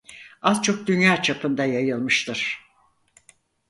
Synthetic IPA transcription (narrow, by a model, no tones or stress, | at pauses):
azt͡ʃʰo̞k̚d̪ynjaːt͡ʃʰapʰɯnd̪ajajɯlˠmɯʃt̪ʰɯɾ̥